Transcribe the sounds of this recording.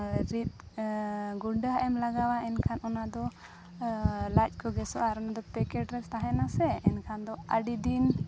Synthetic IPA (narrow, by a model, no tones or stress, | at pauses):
ɾit̪̚ | ɡuɖəɦaʔɛmlaɡawaɛnkʰanʔɔnad̪ɔ | lac̚ˀkɔɡɛsɔʔaɾɔnad̪ɔpɛkɛʈɾɛt͡ʃt̪aɦɛnasɛɛnkʰand̪ɔaɖid̪in